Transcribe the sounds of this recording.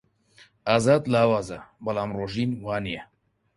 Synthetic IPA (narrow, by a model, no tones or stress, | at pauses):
aːzaːd̪laːwaːzɐ̰bɐlaːmroːʒiːnwaːnijɛ